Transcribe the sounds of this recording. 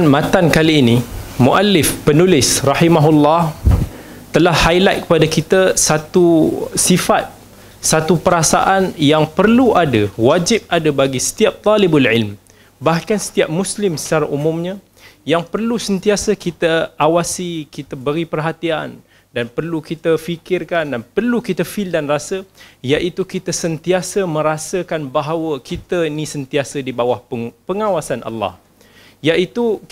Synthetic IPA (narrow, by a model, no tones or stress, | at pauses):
nmãt̪ankaliːnimuʔalɪfpənulɪsrɑħimaɦulːɑh | t̪əlahːajlat̪̚kə̥padakit̪əsat̪usifat̪̚ | sat̪upəɾasa̰ʔanjaŋpərluadawad͡ʒɪp̚adəbaɡisə̥t̪iap̚t̪ˤɔlɪbalʕɪlm | bahkansə̥t̪iap̚mũslɪmsə̥t͡ʃaɾaʔumʊ̃mɲã | jaŋpərlusənt̪iasəkit̪əʔawasikit̪abəɾipərɦat̪ian | danpərlukit̪əfikɪrkandanpərlukit̪əfildanrasəjaʔit̪ukit̪əsənt̪iasəmə̃ɾasəkanbaɦawəkʰit̪ənĩsənt̪iasədibawahpəŋawasanʔɑ̰lːɑ̰h | jaʔit̪u